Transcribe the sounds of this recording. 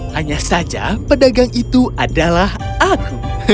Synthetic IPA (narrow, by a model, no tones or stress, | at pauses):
haɲasad͡ʒa̰pədaɡaŋit̪uʔadalah | ak̚